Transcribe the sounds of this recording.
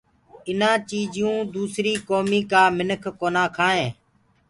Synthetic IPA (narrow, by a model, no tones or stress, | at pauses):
ɪnãːt͡ʃiːd͡ʒɪjũːd̪uːsɾiːkoːmiːkaːmɪnəkʰkoːnãːkʰaːɦẽː